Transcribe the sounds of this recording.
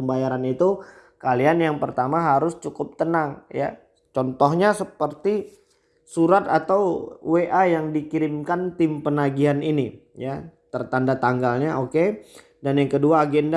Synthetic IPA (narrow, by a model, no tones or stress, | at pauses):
əmbajaɾanit̪u | kalianjaŋpərt̪amaɦaɾʊst͡ʃukʊp̚t̪ənaŋja̰ | t͡ʃɔnt̪ɔhɲasəpərt̪i | suɾat̪at̪awweʔajaŋdikiɾɪmkant̪ɪmpənaɡiɦaninijat̪ərt̪andat̪aŋɡalɲaʔoke | danjaŋkəduaːɡɛnda